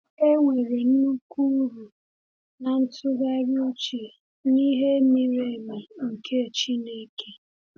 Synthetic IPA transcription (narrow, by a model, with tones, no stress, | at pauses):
e˦ŋʷe˨ɾe˨n̩˦u˦ku˦ɾu˨ | na˨n̩˦tʰʊ˦ɡa˦ɾo˦t͡ʃe˨ | ni˦ɦe˦mi˦ɾe˦˨ma˨ŋ̩˨kʰe˦˨t͡ʃi˦ne˦ke˦